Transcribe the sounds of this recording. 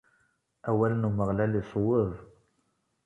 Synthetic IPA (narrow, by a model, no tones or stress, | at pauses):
æwælənuməʁlælisˤowəðˤ